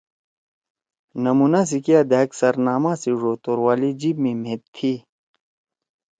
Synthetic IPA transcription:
nɐmunas̬ikijad̪aːksɐɾnaːmãːsiʐoːt̪oɾwaːlid͡ʑiːbmẽmẽt̪ʰːi

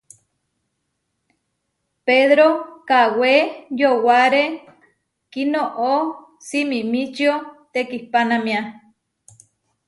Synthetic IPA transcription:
peðɾokawejowaɾe | kinoʔo | simimit͡ʃjot̪ekihpanamj̃a

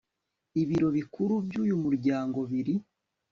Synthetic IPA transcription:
iβiɾo̞βikuɾubɟuːjumuɾɟaːŋɡo̞βiɾi

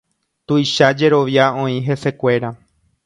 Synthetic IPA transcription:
t̪ujʃad͡ʒe̞ɾo̞ʋjaõ̞ĩɦe̞se̞kʷe̞ɾa

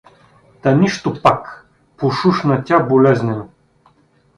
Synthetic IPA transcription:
t̪ɐnʲiʃt̪ʊpak | poʃuʃnɐt̪ʲabolʲɛznʲɛn

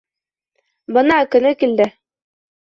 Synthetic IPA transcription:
bɤnɑkɵ̆nɘkild̪ɘ

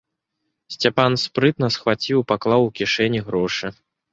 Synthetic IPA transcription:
sʲt͡sʲapanspɾɨt̪nɐsxvat͡sʲiwpaklˠawukʲiʂɛnʲiɣɾɔʂɨ

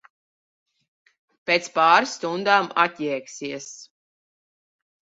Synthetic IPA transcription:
pʲeːt̪spaːɾsːt̪und̪aːma̰t̪ʲjɛːksiɛs

